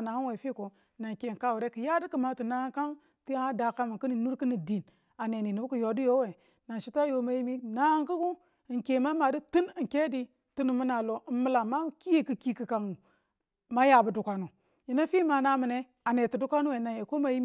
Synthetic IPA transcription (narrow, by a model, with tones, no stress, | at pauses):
na˨u˦we˨fi˦ko˨ | na˨nke˨ka˦wu˨ɾe˦kɨ˨ja˦di˦kɨ˨ma˨ti˨na˦ka˦n | ti˦a˦da˨ka˦mu˨ku˦ni˨nu˦ɾkɨ˦ni˨di˨n | a˨ne˨ni˨nu˨bu˦ku˨jo˨di˦jo˦we˨ | na˨nʃi˦ta˦jo˨ma˨ji˦mi˦na˦ŋku˦ku˦˨ | ŋke˨ma˦ma˨di˦tu˦ni˨ŋ˨ke˦di˦ | tu˦nu˨mu˦na˨lo˨mə˨la˨ma˦ki˦je˦kɨ˨ki˦kɨ˨ka˨ŋu˨ | ma˦ja˨bu˨du˨ka˨nu˨ | ji˨na˦fi˦ma˨na˨mi˨ne˦ | a˨ne˨tu˨du˦kʷa˦nu˦we˨na˨je˨ko˦ma˨ji˦m˦